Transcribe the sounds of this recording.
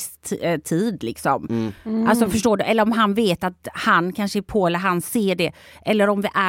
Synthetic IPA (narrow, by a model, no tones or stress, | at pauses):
st̪ʰiːd̪lɪksɔmʔalsɔfœʂʈoːɖɵʔɛlːəɾɔmɦanveːt̪at̪hankʰanʂəæpʰoːɛlːəɾɦanseːɖɛʔɛlːəɾɔmvɪʔæ